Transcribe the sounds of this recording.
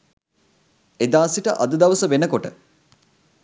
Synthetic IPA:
ed̪aːsiʈəʔɐ̰d̪əd̪ɐʋəsəʋenəkoʈə̰

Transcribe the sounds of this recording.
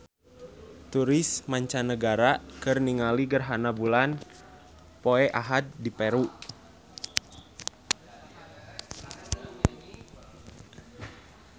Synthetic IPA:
t̪uɾismaɲt͡ʃanəɡaɾakɨrniŋaliɡərɦanabulan | poɛʔaɦad̪̚dipɛɾu

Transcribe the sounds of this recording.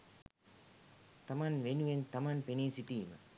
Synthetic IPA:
t̪ɐmanʋenuʋent̪ɐmanpeniːsiʈiːmɐ̰

